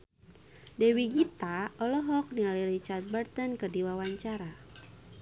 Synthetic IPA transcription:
dɛwiɡit̪aɔlɔɦɔk̚nialiɾit͡ʃart̪̚bərt̪ənkərdiwawaɲt͡ʃaɾa

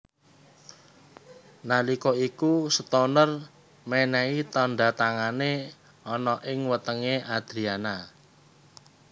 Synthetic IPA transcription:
nalikɔikusət̪onər | mɛnɛit̪ɔɳɖa̤t̪aŋane | ɔnɔʔɪŋwət̪əŋeʔad̪̥ɾiana

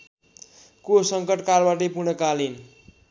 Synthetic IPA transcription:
kosʌŋkʌʈkarbaʈep̬uɽʌkalin

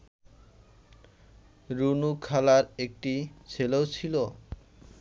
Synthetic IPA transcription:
ɾunukʰalaɾek̚ʈit͡ɕʰeleot͡ɕʰilo

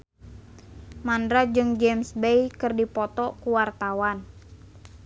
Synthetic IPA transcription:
mandɾad͡ʒɨŋd͡ʒɛmsbejkɨrdipɔt̪ɔkuwart̪awan

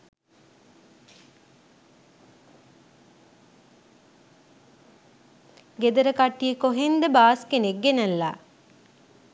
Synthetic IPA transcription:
ɡed̪ɐɾəkaʈːijekoɦend̪əbaːskeneɡːenəlːa̰ː

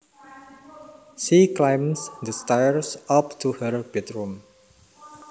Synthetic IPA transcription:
ʃiklajmsd̪əstajɹsap̚tʰuhəɹb̥ɛtɹũm

